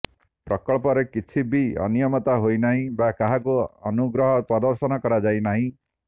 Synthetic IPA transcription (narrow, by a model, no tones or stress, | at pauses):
pɾɔkɔɭpɔɾekit͡ʃʰibiɔ̰nijɔmɔt̪aɦojnaɦĩbakaɦakuɔnuɡɾɔɦɔpɾɔd̪ɔɾsɔnɔkɔɾad͡ʒajnaɦĩ